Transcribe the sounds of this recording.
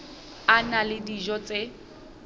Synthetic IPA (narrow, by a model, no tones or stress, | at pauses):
analɪdiʒɔt͡sʼe